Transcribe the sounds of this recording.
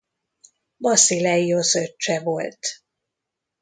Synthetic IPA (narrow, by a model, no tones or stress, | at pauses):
bɒsilɛiosøt͡ʃːɛvo̞lt̪